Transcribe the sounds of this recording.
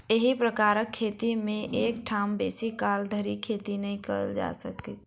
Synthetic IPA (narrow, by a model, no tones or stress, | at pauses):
eɦipɾəkaɾəkʰːet̪imẽʔekʈʰambesikːald̪ʱəɾikʰet̪inəĩkə̰ld͡ʒa̰səkɛ